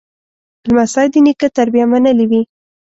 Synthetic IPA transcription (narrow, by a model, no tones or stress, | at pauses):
lmasɑjd̪ənikət̪aɾbijamanəliwi